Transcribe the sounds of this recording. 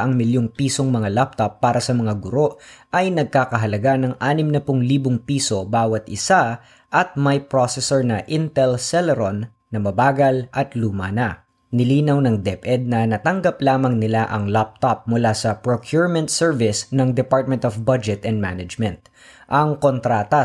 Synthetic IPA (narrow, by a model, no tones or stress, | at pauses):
ʔɐŋmɪljoŋpiːsoŋmɐŋalap̚t̪opːaːɾʔɐsɐmɐŋaɡʊɾo̞ʔʔɐjnɐɡ̚kaːkɐɦɐlɐɡanɐŋʔaːnɪmnɐpʊŋliːbʊŋpiːso̞baːwɐt̪ʔɪsa | ʔɐt̪̚mɐjpɹosɛsɛɹnɐʔɪnt̪ɛlsɛlɛɾonː | ɐmɐbaːɡɐlʔɐt̪luːmɐnɐ | nɪliːnɐwnɐŋd̪ɛpʔɛd̪̚nɐnɐt̪ɐŋɡɐplaːmɐŋnɪlaʔɐŋlap̚t̪op̚mʊlasɐpɹokʰjuɹmɛ̃nt̪sɛɹvɪsnɐŋd̪ɛpaɹt̪̚mɛnt̪ofbɐd͡ʒɛt̪ɛnd̪̚manɐd͡ʒmɛ̃nt̪̚ | ʔɐŋkont̪ɾaːt̪ɐ